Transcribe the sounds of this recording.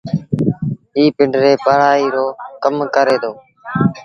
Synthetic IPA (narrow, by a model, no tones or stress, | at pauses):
iːpɪɳɖɾeːpəɽaːiːɾoːkəmkəɾeːt̪ʰoː